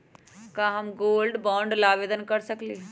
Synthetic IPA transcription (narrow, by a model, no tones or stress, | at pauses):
kãɦɐmɡoːlɖbɔ̃ːɳɖlaːʋeːd̪ənkɐɾsɐkleː